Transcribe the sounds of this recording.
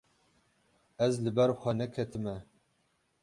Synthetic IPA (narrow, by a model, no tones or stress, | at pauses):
ɛzlɨbɛɾxʷɛnɛkʰɛt̪ʰɨmɛ